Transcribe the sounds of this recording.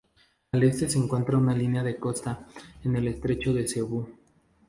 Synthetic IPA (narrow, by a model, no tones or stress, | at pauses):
ale̞st̪e̞se̞ːŋkwe̞nt̪ɾaunalineaðe̞ko̞st̪aene̞le̞st̪ɾe̞t͡ʃo̞ðe̞seβu